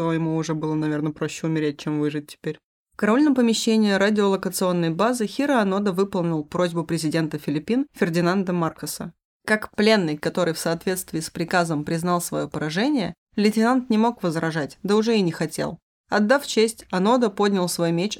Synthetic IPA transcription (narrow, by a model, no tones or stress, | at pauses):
jɪmuʊʐɛbɨlˠənɐvʲe̞rnəpɾoɕːɪʊmʲɪɾʲet̚ʲt͡ɕemvɨʐɨt̚ʲːɪ̥pʲeɾʲ | fkɐɾɐolʲnəmpəmʲɪɕːenʲɪɪɾadʲɪolˠəkət̪sɨo̞nːəjbazɨxʲiɾəɐno̞d̪əvɨpəlˠnʲɪlˠpɾo̞zʲbʊpɾʲɪzʲɪdʲe̞nt̪əfʲɪlʲɪpʲːinfʲɪrdʲɪnand̪əmarkəsə̰ | kakplʲe̞nːɨjkɐt̪o̞ɾɨjfsɐːt̪vʲe̞t̪st̪vʲɪːspɾʲɪkazəmpɾʲɪznɑlˠsvɐ̰jo̞pəɾɐʐɛnʲɪjə̰ | lʲɪtʲɪnant̪nʲɪmo̞kvəzrɐʐatʲd̪əʊʐɛɪnʲɪxɐtʲḛlˠ | ɐd̪ːaft͡ɕesʲtʲɐno̞d̪əpo̞dʲnʲɪlˠsvo̞jmʲet͡ɕ